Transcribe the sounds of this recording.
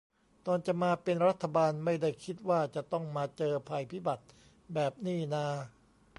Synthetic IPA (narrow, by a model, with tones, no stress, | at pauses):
t̪ɔː˧nt͡ɕa˨˩maː˧pe˧nɾa˦˥t̪ʰːa˧baː˧nma˥˩jda˥˩jkʰi˦˥t̪̚waː˥˩t͡ɕa˨˩t̪ɔ˥˩ŋmaː˧t͡ɕɤː˧pʰa˧jpʰi˦˥˩ba˨˩t̪̚ | bɛː˨˩p̚niː˥˩naː˧